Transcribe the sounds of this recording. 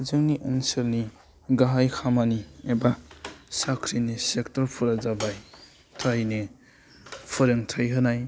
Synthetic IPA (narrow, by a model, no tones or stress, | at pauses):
zɯŋniʔanselni | ɡaɦajkʰamaniebasakʰɾinisek̚tɔɾpʰuɾazabaj | tʰajne | pʰɯɾeŋtʰajɦɯnaj